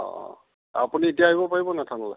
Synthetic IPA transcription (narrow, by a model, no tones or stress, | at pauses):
ɔ̰̃ | a̰punietijaːɦibɔpaɹibɔnatʰanɔla̰